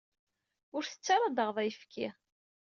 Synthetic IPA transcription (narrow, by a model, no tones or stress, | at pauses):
ʊɾθə̥t͡sːaɾˤɑd̪əʁðˤɑjfkʰi